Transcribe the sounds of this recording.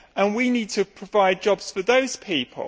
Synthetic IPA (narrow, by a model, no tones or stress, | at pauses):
ə̃nwiniːd̚tʰəpʰɹ̥əvaɪd̚d͡ʒɒbz̥fəðəʊz̥pʰiˑpʰə̰lˠ